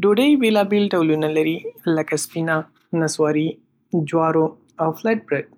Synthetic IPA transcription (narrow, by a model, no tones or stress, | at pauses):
ɖoɖɐjʋeːlaːbilʈɐwlunɐlɐɾilɐkɐspina | nɐswaːɾi | d͡ʒwaːɾo | ɐwflɛʈ̚bɾeɖ̚